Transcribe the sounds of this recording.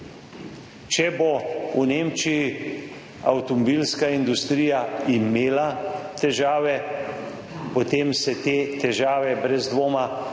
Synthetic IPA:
t͡ʃɛbouneːmt͡ʃiji | awt̪ɔmɔbiːlskaind̪ust̪ɾiːjaimeːlat̪ɛʒaːʋɛ | pɔt̪emsɛt̪eːt̪ɛʒaːʋɛbɾɛzd̪ʋoːma

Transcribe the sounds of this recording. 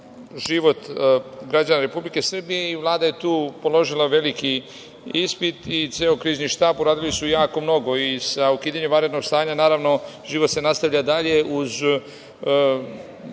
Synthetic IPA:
ʒiʋo̞t̪ɡɾad͡ʑanaɾe̞publike̞sr̩bije̞iʋlˠaːd̪ajet̪uːpo̞lˠo̞ʒilˠaʋe̞liki | ispit̪it̪seːokɾiːzniʃt̪aːbuɾaːd̪ilisujaːko̞mno̞ɡo̞isaukiːd̪aɲemʋaɾe̞d̪no̞ɡst̪aːɲanaːɾaʋno̞ʒ̥iʋo̞t̪se̞nast̪aʋʎad̪aʎe̞ʔuz

